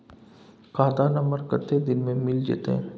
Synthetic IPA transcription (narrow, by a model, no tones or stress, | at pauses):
kaːd̪anɐməɾkət̪ed̪ɪnmẽmɪld͡ʒḛːt̪eɦɛ̰̃ː